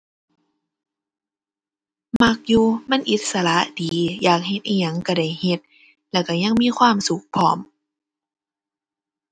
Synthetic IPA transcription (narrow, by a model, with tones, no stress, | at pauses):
ma˧˥k̚juː˧ma˧˥˨nʔi˨˧˦t̪̚sa˧la˧˦ʔdiː˨˦jaː˨˩k̚he˧t̪̚ʔaː˧˩ɲa˧˥˨ŋka˧˩da˧˩jhe˧˦t̪̚ | lɛː˧˩wka˧˩ɲa˧˥˨ŋmiː˧˥˨kʰwaː˧˥˨msu˨˦k̚pʰɔ̰ː˧˦m